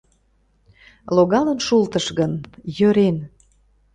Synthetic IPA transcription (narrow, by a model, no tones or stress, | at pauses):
loɣɑlənʃult̪əʃɣənjøɾen